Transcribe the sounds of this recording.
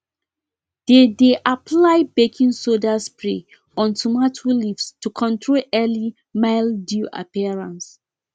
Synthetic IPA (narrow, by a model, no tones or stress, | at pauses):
d̥edeʔapʰlaɪbekʰĩnsodaspɹḭ | ɔ̃ntʰumatʰolifstukʰɔ̃ntʰɹolɛli | maɪlduʔa̰piaɹãns